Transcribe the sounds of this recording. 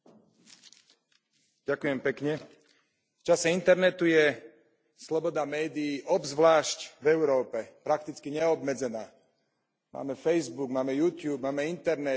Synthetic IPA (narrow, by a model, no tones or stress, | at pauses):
ɟakuʊjɛmpɛkɲɛ | ft͡ʃasɛint̪ɛɾnɛt̪ujɛ | slɔbɔd̪amɛːd̪iːʔɔbzʋlaːʃcvɛʊɾɔːpɛpɾak̚t̪it͡skiɲɛɔbmɛd͡zɛnaː | ma̰ːmɛfɛjzbuɡmaːmɛjuːt̪juːbmaːmɛint̪ɛɾnɛ